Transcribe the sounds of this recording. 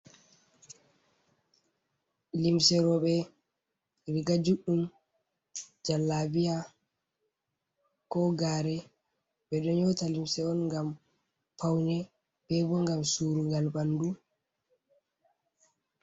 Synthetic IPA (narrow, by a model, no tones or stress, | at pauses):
limsɛɾɔɓɛ | ɾiɡad͡ʒuɗːum | d͡ʒalːabija | kɔɡaːɾɛ | ɓɛɗɔɲɔtalimsɛɔnŋɡam | pawnɛ | b̥ɛbɔŋɡamsuɾuɡalbandu